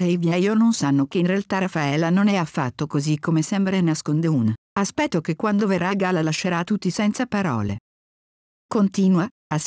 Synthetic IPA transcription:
ɛjvjɛjononsanːokeinrealt̪aɾafaɛlːanonɛafːa̰t̪ːokozikʰːomesɛmbɾanaskond̪euna | aspɛt̪ːokekːwand̪overːaɡalalaʃːeɾat̪ːut̪ːisɛnt̪sapaɾɔ̰ːlḛ | kont̪iːnwa | as

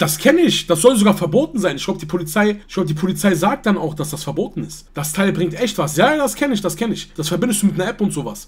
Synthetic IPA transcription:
d̥askʰɛnəɪçd̥asz̥ɔlzoɡaːɐfɛɐboːtn̩zaɪnɪçɡ̥laʊbəd̥iːpʰolit͡saɪɪɪç̥ɡlaʊbədiːpʰolit͡saɪzaːk̚t̚d̥anaʊxd̥asd̥asfɛɐboːtn̩ɪstd̥astʰaɪlbʁɪŋktʔɛçtv̥asjaːd̥askʰɛnɪçd̥askʰɛnɪçd̥asfɛɐbɪndəstd̥uːmɪtnɐʔɛpʊntz̥oːvas

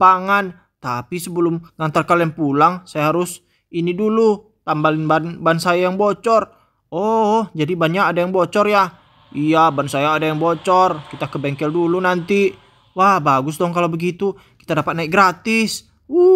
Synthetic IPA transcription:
paŋan | t̪apisəbəlʊmŋaŋt̪arkalɛaŋpulaŋsajaɦaɾʊs | inidulu | t̪ambalɪnbanbansajajaŋbɔt͡ʃɔr | ɔd͡ʒadibanjaːdajaŋbɔt͡ʃɔrja | ijabansajaːdajaŋbɔt͡ʃɔrkit̪akəbɛŋkɛldulunant̪i | wahbaɡʊsdɔŋkalabəɡit̪u | ki̥t̪adapat̪̚naik̚ɡɾat̪ɪs | u

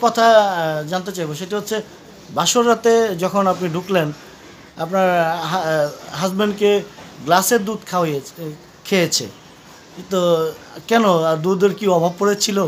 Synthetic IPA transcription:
kɔt̪ʰad͡ʑant̪̬et͡ɕajboʃeʈiɦot̪ːɕʰe | baʃoɾːat̪ed͡ʑɔkʰonapniɖʱuklen | a̰pnaɾ | ɦasbeɳɖkeɡlaseɾd̪ud̪kʰao | kʰejet͡ɕʰḛ | t̪o | kɛnoad̪ud̪eɾkiɔbʱab̚koɾet͡ɕʰilo

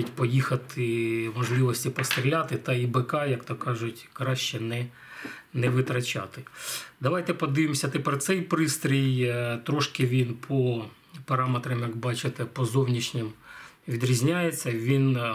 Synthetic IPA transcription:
itʲpɔjixɐt̪ʰɪmɔʒlˠɪʋɔsʲtʲipɔst̪ɾʲilʲat̪ɪt̪ɐibekɑjɐkt̪ɔkɑʒʊtʲkɾɑʃt͡ʃɛnɛ | nɛʋɪt̪ɾɐt͡ʃʲɑ̰t̪ɪd̪ɐʋɑjt̪ɛpɔd̪ɪʋɪmsʲɐt̪ɪpɛrt̪sɛjpɾɪst̪ɾʲijt̪ɾɔʃkɪʋʲinpʰɔ | pɐɾɑmet̪ɾɐmjɐkbɑt͡ʃɪt̪ɛpɔzɔwnʲiʃnʲɪm | ʋʲid̪ɾʲizʲnʲajet͡sʲːɐʋʲin

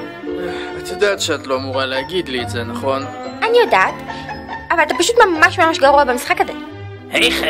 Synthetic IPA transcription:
at̪jodaːt̪ʃeat̪lo̞amuʁaleaɡid̪liːtzenaχo̞nʔanijodaːtʔavalat̪̬apaʃut̪mamaʃmamaʃɡaʁuabamisχakaze | hai

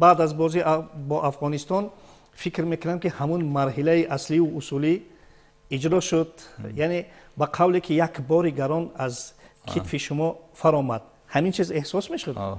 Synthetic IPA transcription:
baːd̪azbɔzibɔʔafʁɔnist̪ɔn | fikɾme̞kunamkihamunmaɾɦilaiʔasliuusuli | id͡ʒɾɔʃud̪̚jane | baqʰavlekʰijakbɔɾiɡaɾɔnazkʰit̪fiʃumɔfaɾɔmad̪̥̚ | hamint͡ʃʰize̞hsɔsmeʃud̪

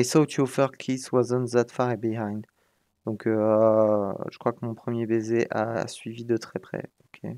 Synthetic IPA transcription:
esaut̪yɔfœʁkʲʰiswazə̃nzat̪faʁebiɦãj̃nd̪ | d̪ɔ̃kʰø | ʒəkχwakəmɔ̃pχəmjebezeʔa̰sɥivid̪ət̪χɛpχɛ̰okʲʰḛ

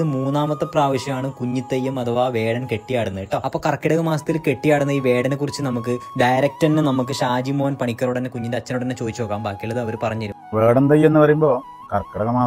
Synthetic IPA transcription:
ɨmuːnːaːmɐt̪ːɐpraːʋɐɕjɐmaːɳɨkuɲːit̪ːɐjːɐmɐðɐʋaːʋe̞ːɽɐnke̞ʈːijaːɽunːɐiʈːoːɐpːo̞ːkɐrɐkːiɽɐɣɐmaːsɐ̥t̪ːilke̞ʈːijaːjɽunːɐiːʋe̞ːɽɐnekːurit͡ɕːɨnɐmuk̬ːɨɖɐjɾɐk̚tɐɾnːɨnɐmuk̬ːɨɕaːd͡ʑimoːnpɐɳikʲːɐruɽɐnːekuɲːindeɐt͡ɕːɐnuɽɐnːet͡ɕo̞ːd̪it͡ɕːuoːkːaːmbaːkːijɐlːɐðɨɐʋɐɾupɐrɐɲːut͡ɕɐɾumʋeːɽɐnd̪ɐjːɐenːɨpɐrɐjumbo̞ː | kɐrkːiɽɐɣɐmaː

